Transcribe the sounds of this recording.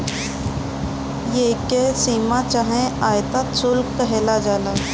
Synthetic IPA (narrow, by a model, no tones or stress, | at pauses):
jeːkesiːmat͡ʃaɦẽaːjt̪at̪sʊlkkəɦeːlad͡ʒaːla